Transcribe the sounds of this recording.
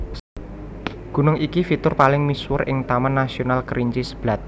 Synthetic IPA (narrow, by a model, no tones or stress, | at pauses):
ɡ̥ṳnʊŋikifit̪ʊrpalɪŋmiswʊrʔɪ̰ŋt̪amanːasionalkəɾʔiɲt͡ʃisə̥b̥la̤t̪̚